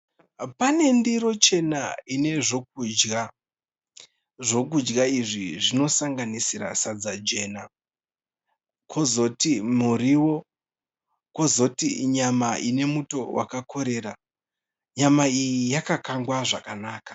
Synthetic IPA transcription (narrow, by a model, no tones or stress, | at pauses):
pane̞ndiɾo̞t͡ʃe̞na̰ine̞ʐo̞k̚ud͡ʒɡa | ʐo̞k̬ud͡ʒɡaiʐiʐino̞saŋɡanisiɾa̰sad͡zad͡ʒe̞na | kʰo̞zo̞timuɾiwo̞ | ko̞zo̞tḭɲamaʔine̞muto̞wʔa̰kakʰo̞ɾe̞ːɾa | ɲamaijijakakaŋɡwaʐakanaːkḁ